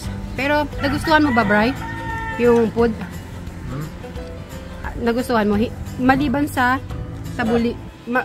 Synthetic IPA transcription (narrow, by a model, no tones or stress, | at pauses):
pɛːɾo̞nɐɡʊst̪uːhɐnmobɐbɹajjʊŋpod̪̚ | nɐɡʊst̪uhɐnmohɪmɐliːbɐnsɐsɐbulɪ | mɐ